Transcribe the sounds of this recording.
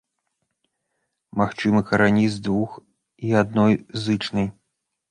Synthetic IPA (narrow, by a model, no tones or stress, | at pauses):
maxt͡ʂɨmɨkɐɾanʲizd̪vux | iad̪nɔjzɨt͡ʂnɐj